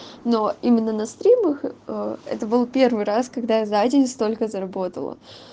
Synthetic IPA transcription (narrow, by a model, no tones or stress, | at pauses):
no̞imʲɪnːənɐst̪ɾʲiməxəɛ̰t̪əbɨlˠpʲe̞rvɨjɾaskɐɡd̪azadʲɪnʲst̪o̞lʲkəzəɾɐbo̞t̪ə̰lˠə̰